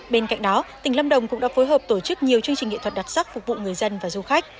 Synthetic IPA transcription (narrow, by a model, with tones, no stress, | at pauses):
ɓe˧nka̰˧˨jŋ̟ɗɔ˨˦t̪ï˨˩ŋ̟la˧wŋ͡mɗə˨˩wŋ͡mkʊ̰˧˥ŋ͡mɗa̰ː˧˥foː˨˦jɦəː˨˩p̚t̪o˧˩t͡ɕɨ˦˥k̚ɲi˨˩əwt͡ɕɨ˧əŋt͡ɕï˨˩ŋḭ˧˨t̪ʰə˨˩t̚ɗa˨˩t̚sa˦˥k̚fʊ˨˩k͡p̚vṵ˧˨ŋɨ˨˩əjzə˧nvaː˨˩zu˧xa˦˥jk̟̚